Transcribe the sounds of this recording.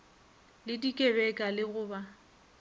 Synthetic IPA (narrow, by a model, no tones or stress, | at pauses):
lɪdikʼebɛkʼalɪɣʊːba